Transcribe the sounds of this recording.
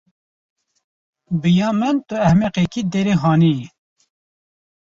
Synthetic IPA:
bɨjɑːmənt̪ʊɛhmeqekiːd̪eːɾeɦɑːni

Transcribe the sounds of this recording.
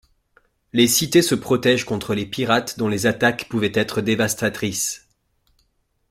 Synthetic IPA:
lesit̪esəpχɔt̪ɛʒkɔ̃t̪χəlepiʁat̪d̪ɔ̃lezat̪akpuvɛt̪ɛt̪χəd̪evast̪at̪χis

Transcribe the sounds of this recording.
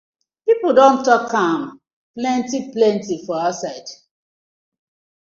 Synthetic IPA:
pipodõntɔkʰãm | plɛ̃ntiplɛ̃ntifɔaasaɪd

